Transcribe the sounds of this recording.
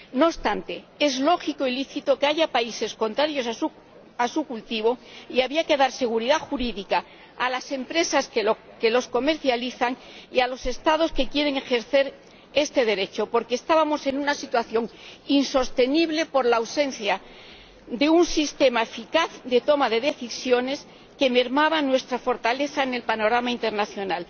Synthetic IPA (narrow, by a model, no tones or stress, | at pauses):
nost̪ant̪e̞e̞zlo̞xiko̞iliθit̪o̞keaʝapaise̞sko̞nt̪ɾaɾjo̞sa | asukult̪iβ̞o̞iaβiake̞ðaɾse̞ɣ̞uɾiðaxuɾiðikaː | lase̞mpɾe̞sask | ke̞lo̞sko̞me̞ɾθjaliθaŋ | ialo̞se̞st̪að̞o̞ske̞kje̞ɾe̞ŋe̞xe̞ɾθe̞ɾ | e̞st̪e̞ð̞e̞ɾe̞t͡ʃo̞po̞ɾke̞ːst̪aβamo̞se̞nunasit̪waθjo̞ŋinso̞st̪e̞niβle̞po̞ɾlawse̞n̟θja | d̪e̞unsist̪e̞mae̞fikaθd̪e̞t̪o̞maðe̞ðe̞θisjo̞ne̞s | ke̞me̞ɾmaβanwe̞st̪ɾafo̞ɾt̪ale̞θaene̞lpano̞ɾamaint̪e̞ɾnaθjo̞nal